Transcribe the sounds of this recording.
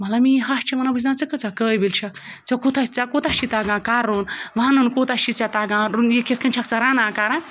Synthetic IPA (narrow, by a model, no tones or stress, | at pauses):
mɐlamiɦaʂt͡ʃʰimɐnabɨs̬nãt͡sɨkɐt͡sakəːjbilt͡ʃʰɐkt͡sɐkut̪ʰat͡sakot̪aʃit̪aɡãkaɾonʋanɨnkot̪aʃit͡sat̪aɡãɾunjeket̪̚ʰkʰɐnt͡ʃʰak̚t͡saɾãːnãkaɾã